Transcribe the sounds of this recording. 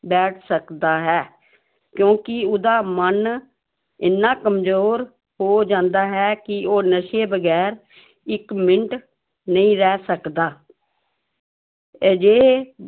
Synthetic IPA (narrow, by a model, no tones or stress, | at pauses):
bɛːʈʰsəkd̪aːɦɛː | kjõːkɪʊd̪aːmən | ɪnːaːkəmzoːɾ | ɦoːd͡ʒãːnd̪aːɦɛːkɪoːnəʃeːbəɡɛːɾ | ɪkmɪɳʈ | nəĩːɾɛːsəkd̪aː | d͡ʒeː